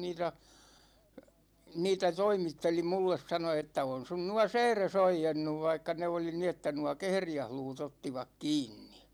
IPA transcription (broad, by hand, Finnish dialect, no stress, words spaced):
niːtæ niːtæ toimitːeli mulːes sɑno etːæ on sun nuɒ sɛːres oijenːuʋ ʋɑikːɑ ne oli ni etːæ nuɒ kehrijæhluːt otːiʋɑk kiːnːi